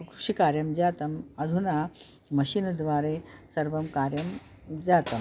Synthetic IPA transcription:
kɾu̥ʂikaːɾjɐmd͡ʑaːt̪ɐmɐd̪ʱuna | mɐɕind̪ʋaːɾesɐɾʋɐmkaːɾjɐm | d͡ʑaːt̪ɐm

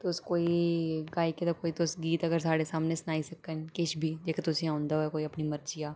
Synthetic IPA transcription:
t̪oʊskoːiɡaːiket̪okoːit̪osɡiːt̪ɐɡəɾsaːɽesaːmnesnaːisɐkənkɪt͡ʃbʱid͡ʒeːket̪ʊsĩãːʊ̃nd̪aoɛkoːiɐpnimɐɾt͡ʃijaː

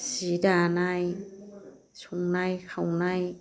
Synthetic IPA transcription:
sidanaj | sʰuŋnajkʰawnaj

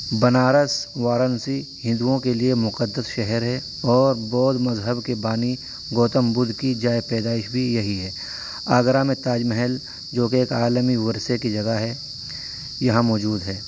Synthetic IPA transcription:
bɐnaːɾəsʋaːɾənsi | hɪ̃nd̪uõkeliemʊqəd̪ːəsʃɛɦəɾɦɛ | ɔːɾbɔːt̪mɐzɦəbkebaːni | ɡoːt̪əmbʊd̪ʱkid͡ʒaːepɛːd̪aːɪʃbʱijɐɦiɦɛː | aːɡɾamẽt̪aːd͡ʒmɛɦɛl | d͡ʒoːkeeːkaːlmiʋɐɾsekid͡ʒɐɡaɦɛ | jɐɦãmɔːd͡ʒuːd̪ɦɛː

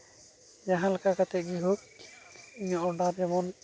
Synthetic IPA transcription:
jaɦãlakakat̪ɛʔɡiɦok | iɲɔʔɔɖaɾd͡ʒɛmɔn

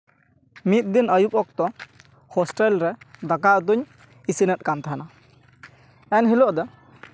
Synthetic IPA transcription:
mit̪̚d̪inəjup̚ʼɔk̚t̪ɔ | hɔsʈɛlɾɛd̪akaʔt̪̬uɲ | isinət̪̚kamt̪aɦana | ɛnɦilɔʔd̪ɔ

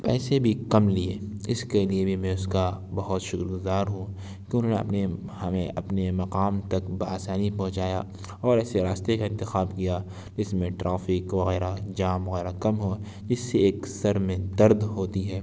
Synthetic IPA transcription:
pɛːsebʱikɐmlieːɪskeliebʱimɛ̃ʊskabɐɦʊt̪ʃʊkɾɡʊzaːɾɦũ | keʊnɦõːnḛɐ̰pnehɐmẽʔɐpnemɐqaːmt̪ɐkbaːsaːnipɐɦʊ̃t͡ʃaːja | ɔːɾɛːseɾaːst̪ekaɪ̃nt̪ɪxaːbkija | d͡ʒɪsmẽʈɾʔaːfɪkʋɐɣɛːɾad͡ʒaːmʋɐɣɛːɾakɐmɦo | d͡ʒɪsːeeːksɐɾmẽd̪ɐɾd̪ɦoːt̪iɦɛː

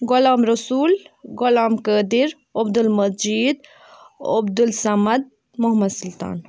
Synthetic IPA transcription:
ɡʊlaːmɾɐsuːlɡʊlaːmkəːd̪iɾ | ɐbd̪ulmɐd͡ʒiːd̪ | o̰bd̪ulsɐmɐd̪̚ | muɦmɐd̪sult̪a̰ːn

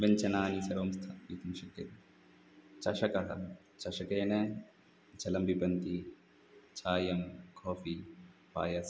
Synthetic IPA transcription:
ʋɐɲt͡ʃɐnaːnisɐɾʋɐmst̪ʰɐʋiːt̪ɐnʃɐkːɐt̪i | t͡ʃɐʃɐkɐɦɐ̰ | t͡ʃɐʂɐkeːnɐ | d͡ʒɐlɐmbipɐnt̪i | t͡ʃʰaːjɐmkʰoːfipa̰ːjɐs

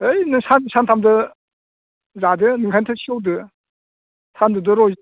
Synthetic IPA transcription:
ɯjnɯŋsʰansʰantʰamdɯ | zadɯnɯŋkʰantʰasʰiowdɯ | t̪ʰandɯdɯɾɔ

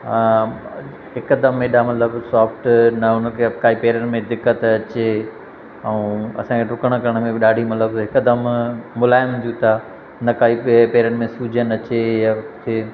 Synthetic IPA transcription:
ɦɪkd̪ɐmːẽɗamɐt̪ləbsaːfʈnɐʊnəkʰekaːipeːɾənɪ̆mẽd̪ɪkːət̪ɐt͡ɕe | ɛũːɐ̰sãːkʰeɾʊkəɽ̃kɐɾəɽ̃mẽbɪɗaːɖʱimɐt̪ləbɦɪkd̪əmːʊlaːɪmd͡ʑut̪a | nɐkaːippeːɾənɪ̆mẽsuːd͡ʑʱənɐt͡ɕejat̪ʰeː

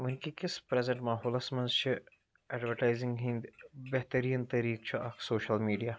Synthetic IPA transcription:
ʋɐnkikɪspɾɛzẽɳʈmaːɦɔːlɐsmɐ̃nzt͡ʃʰi | ɛːɖʋəɾʈaːɪzɪ̃ŋɡɦĩnd̪beɦt̪ɐɾiːnt̪ɐɾiːk̚t͡ʃʰiʔɐkʰsoːʃɐlmiːɖijaː

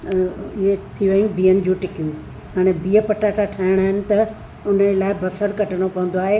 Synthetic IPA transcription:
ɪɦet̪ʰiʋəɦũbʱiːənɪ̆d͡ʑuʈɪkijũ | ɦaːɽ̃ebiːəpɐʈaːʈaʈʰaːɦɪɽ̃aːɦɪnɪ̆t̪ɐ | ʊnəlaːɪbɐsəɾkɐʈʰəɽ̃opɐʋə̃n̆d̪oaːɦe

